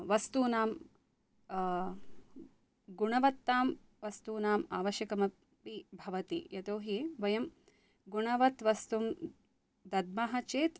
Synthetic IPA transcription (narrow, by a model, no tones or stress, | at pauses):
ʋɐst̪uːnaːm | ɡuɳɐʋɐt̪ːaːm | ʋɐst̪uːnaːmaːʋɐʃjɐkɐmɐ | pibʱɐʋɐt̪ijɐt̪oːɦiʋɐjɐm | ɡuɳɐʋɐt̪ʋɐst̪um | d̪ɐd̪̚mɐɦɐt͡ʃeːt̪